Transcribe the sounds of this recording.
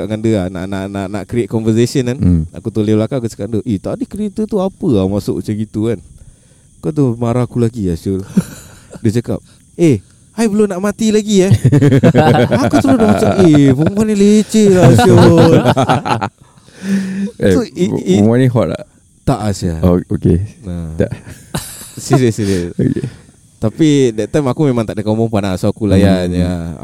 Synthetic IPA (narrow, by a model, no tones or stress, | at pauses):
aʔŋandəana̰ʔnaʔnaʔnaʔkɾiet̪̚kɔnvəsesiənana̰kut̪olelakaʔkut͡ʃə̥kaʔ̚ndəʔet̪aʔadikɾiet̪ət̪uapəamasʊ̰ʔt͡ʃaɡit̪uan | kat̪̬umaɾakulaɡiasul | dət͡ʃaka̰p̚ | e | ajbəlonaʔmat̪ilaɡia | akut̪əlonaʔmat͡ʃaʔebuŋanĩlet͡ʃelaso | soiiŋaniɦɔʔla̰ʔ | t̪aʔasaookenat̪aʔ | siɾiəsiɾiəsoke | t̪apidɛt̪̚ːajmakumemãŋt̪aʔdəkamɔŋpanasaakulajaja̰